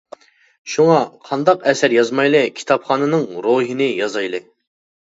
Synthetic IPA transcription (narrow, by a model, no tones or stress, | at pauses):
ʃuŋɑqʰɑnd̪ɑqɛsæɾjɑzmɑjlˠɨkʲʰi̥t̪ʰɑpχɑːnɨnɨŋɾoɦinɨjɑzɑjlˠɨ